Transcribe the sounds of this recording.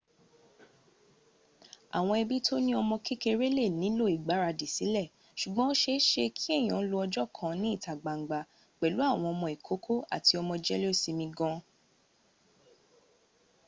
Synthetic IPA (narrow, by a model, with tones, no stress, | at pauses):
a̰˨w̃ɔ̃˧ɛ˧bi˦tʰo˦nĩ˦ɔ˧mɔ̃˧ki˦ke˧ɾe˦le˦˨nĩ˨˦lo˦i˨ɡ͡ba˨˦ɾa˧di˨si˨˦lɛ˦˨ | ʃu˨ɡ͡bɔ̃˦o˦ʃe˦ʃe˧kʰi˦ɛ˦˨j̃ɔ̃˨˦lo˧ɔ˧d͡ʒɔ˦˨kʰã˦nĩ˦i˦˨ta˨ɡ͡ba˨ŋ̩˨ɡ͡ba˨ | k͡pɛ˨lu˨˦a˦˨w̃ɔ̃˧ɔ˧mɔ̃˧i˨kʰo˨˦kʰo˦a̰˦˨ti˧ɔ˧mɔ̃˧d͡ʒɛ˦lsi˧mĩ˧ɡɔ̃˧